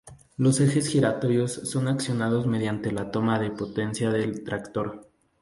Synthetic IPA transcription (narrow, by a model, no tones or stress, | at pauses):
lo̞se̞xe̞sxiɾat̪o̞ɾjo̞sːo̞naksjo̞nað̞o̞zme̞ð̞jant̪e̞lat̪o̞maðe̞po̞t̪e̞nsjaðe̞lt̪ɾakt̪o̞ɾ